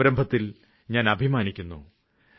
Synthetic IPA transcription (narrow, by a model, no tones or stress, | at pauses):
ɐɾɐmbʱɐt̪ːil | ɲaːnɐbʱimaːnikʲːunːṵ